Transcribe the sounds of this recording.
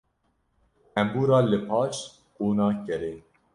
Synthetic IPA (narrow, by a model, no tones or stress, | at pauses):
ɛmbuːɾɑːlɨpʰɑːt͡ʃ | uːnɑːkɛɾeː